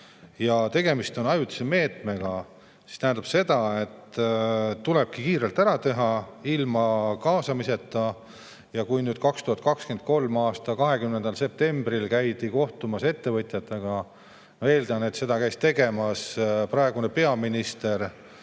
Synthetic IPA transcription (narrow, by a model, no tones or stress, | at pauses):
jɑt̪e̞ɡ̥e̞mist̪o̞nɑjut̪ːi̥seme̞ːt̪ˑme̞ɡ̥ɑ | si̥st̪æɦɛnd̪̥ɑb̥se̞d̪̥ɑe̞t̪ː | t̪ːule̞b̥̚kikiːɾelt̪æɾɑt̪e̞ɦɑilmɑkɑːsɑmise̞t̪ːˑɑ | jɑkujnyːd̪̥kɑkst̪uhɑt̪̚kɑkskend̪̚ko̞lmɑːst̪ɑkɑɦe̞kymnend̪ɑlse̞p̚t̪e̞mbɾilkæjd̪iko̞ht̪umɑse̞t̪ːe̞vɤt̪ʲjɑt̪ːˑɑɡ̥ɑ | noe̞ːld̪ɑne̞t̪se̞d̪ɑkæjst̪e̞ɡe̞mɑsprɑeɡ̥une̞pe̞ɑminist̪e̞r